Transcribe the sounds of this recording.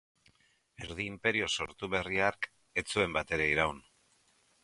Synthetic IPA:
e̞ɾð̞iːmpe̞ɾio̞so̞̰ɾt̪uβe̞riaɾk | e̞t͡sue̞mbat̪e̞ɾe̞iɾaun

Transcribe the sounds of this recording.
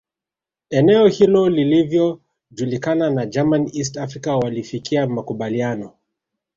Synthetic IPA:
ɛnɛɔhilɔlilivjɔ | ʄulikananad͡ʒamanis̬tafɾikawalifikʰiamakuɓalianɔ

